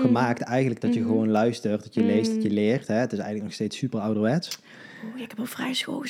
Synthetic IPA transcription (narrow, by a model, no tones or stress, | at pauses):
ɣəmaːk̚tɛjɣəndləɡ̚dɑtjəɣəʋonlœɥstərt̚dɑtjəlejst̚dɑtjəlɪːrtɦɛətɪsɛjɣənləknɔxstejtsypərɑwdəʋɛts | oɪkɛpɔlˠfrɛjsxo̰